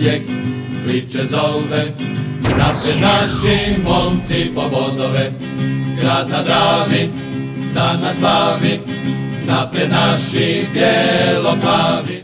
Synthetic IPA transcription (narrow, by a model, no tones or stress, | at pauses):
ɛk | klit͡ʃɛzɔlʋɛ | napɾɛd̪naʃimɔnt͡sipɔbɔd̪ɔʋɛ | kɾad̪nad̪ɾaːʋi | d̪ad̪nasaːʋi | napɾɛd̪naʃibjɛlɔpaːʋi